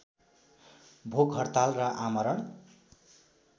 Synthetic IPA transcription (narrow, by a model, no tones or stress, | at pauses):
bʱoɡɦʌrt̪alrʌʔamʌɾʌn